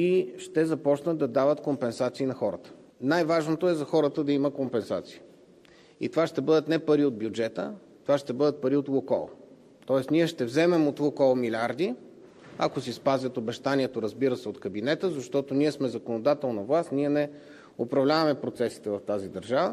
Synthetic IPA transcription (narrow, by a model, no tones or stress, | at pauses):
iʃt̪ɛzɐpɔt͡ʃnəd̪ɐd̪avət̪kompɛnsat̪siːnɐxɔɾə̰t̪ə̥ | najvaʒnot̪oɛzɐxɔɾət̪əd̪ɐiməkompɛnsat̪si̥i | ḭt̪ovaʃt̪ɛbɤd̪ət̪nɛpɐɾiod̪̚bjud͡ʒɛt̪ə̰ | t̪ovaʃt̪ɛbɤd̪ət̪̚pɐɾiot̪lˠokɔ̰lˠ | t̪ɔɛst̪niɛʃt̪ɛvzɛmɛmot̪lˠokɔlˠmilʲaɾd̪i | ɐ̰kosispazʲɐt̪obɛʃt̪aniɛt̪oɾəzbiɾəsɛot̪kɐbinɛt̪əzɐʃt̪ɔt̪oniɛsmɛzɐkonod̪at̪ɛlˠnɐvlˠast̪nʲiɛnɛ | opɾɐvlʲavɐmɛpɾot̪sɛsi̥t̪ɛvɐft̪azid̪ɐɾʒavə